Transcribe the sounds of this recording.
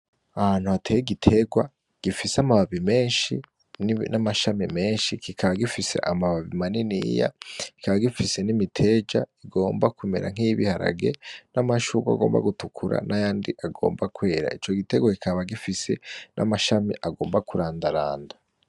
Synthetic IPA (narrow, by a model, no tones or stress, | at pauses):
ahan̥uatʰejeɡitʰe̞ɡwa | ɡ̥ifiseamaβaβime̞ːnʃi | nnamaʃamime̞ːnʃikikʰaβaɡifise̞̰ʔamaβaβimaninḭja̰ki̥kaβaɡifise̞nimitʰe̞d͡ʒa̰iɡo̞ːmbakwimḛɾa̰ŋ̥iβihaɾa̰ɡe̞̰namaʃukwa̰ɡo̞ːmba̰ɡutukʰuɾa̰najaːndiʔaɡo̞̰ːmbakwe̞ːɾa̰it͡ʃo̞ɡite̞ɡwakikʰaβaɡifise̞nʔa̰maʃamiʔaɡo̞ːmbakuɾaːndaɾaːnda